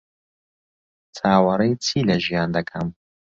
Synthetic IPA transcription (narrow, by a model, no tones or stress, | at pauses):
t͡sʰaːwɐɾɐjt͡sʰiːlɐʒijaːnd̪ɐkʰɐm